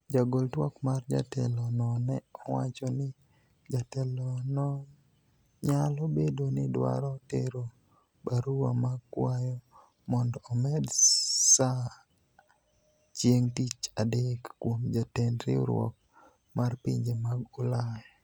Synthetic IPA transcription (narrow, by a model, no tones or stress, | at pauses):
d͡ʒaɡoltwɔkmard͡ʒa̰tɛlɔnɔnɛɔwat͡ʃɔnɪ | d͡ʒatɛlɔnɔ | ɲalɔbedonɪdwa̰ɾɔtḛɾo | baɾuwa̰maɡkwajɔ | mɔndɔːmɛdsa | t͡ʃjeŋtit͡ʃadekːwomd͡ʒatendɾɪ̰ɾwɔ̰k̚ | marpḭɲd͡ʒemaɡʊla